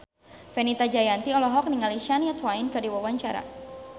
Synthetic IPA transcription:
fɛnit̪ad͡ʒajant̪iɔlɔɦɔk̚niŋaliʃanjat̪wainkərdiwawaɲt͡ʃaɾa̰

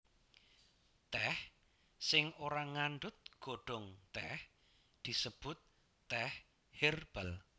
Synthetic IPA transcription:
t̪ɛh | sɪŋoɾaŋanɖʊt̪̚ɡ̥oɖ̥ɔŋt̪ɛh | d̪̥isəb̥ʊt̪̚ː | ɛh | herb̥əl

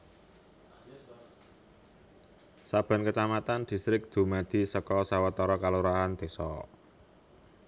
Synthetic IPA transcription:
sab̥ä̤nkət͡ʃamat̪and̪̥i̤st̪ɾɪk̚d̪̥ṳmad̪̥i̤səkɔsawat̪ɔɾɔkaluɾaɦand̪̥e̤sɔ̰

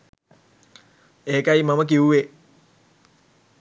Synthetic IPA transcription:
eːkajimamək̬iuʋe

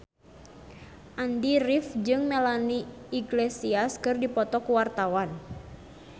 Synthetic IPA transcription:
ʔandirifd͡ʒɨŋmɛlaniː | ɡlesiaskɨrdipɔt̪ɔkuwart̪awan

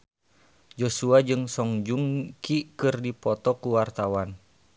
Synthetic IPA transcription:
d͡ʒosuad͡ʒɨŋsɔŋd͡ʒuŋkikɨrdipɔt̪ɔkuwart̪awan

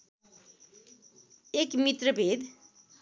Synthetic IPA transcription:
ekmit̪rʌbʱed̪

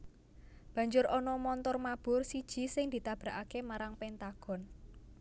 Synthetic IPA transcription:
b̥ä̤ɲd͡ʒʊɾʔɔnɔmɔnt̪ɔrmab̥ʊ̤rsid̥ʒ̥i̤sɪŋd̪i̤t̪ab̥ɾa̤ʔakemaɾaŋpɛnt̪aɡ̥ɔ̤n

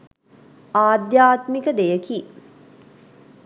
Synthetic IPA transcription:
aːd̪jaːt̪mikəd̪ejəki

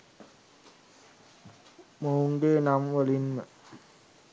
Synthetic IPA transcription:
mouŋɡeːnamʋəlinmə

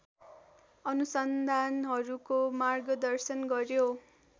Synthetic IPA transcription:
ʌnusʌnd̪ʱanɦʌɾukomarɡʌd̪ʌrsʌnɡʌrjo

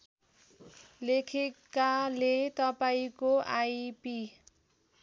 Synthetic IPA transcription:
lekʰekalet̪ʌpaĩkoʔajpi

